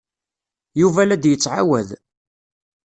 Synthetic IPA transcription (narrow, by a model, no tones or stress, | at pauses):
juvælæd̪jət͡sːʕa̰wæð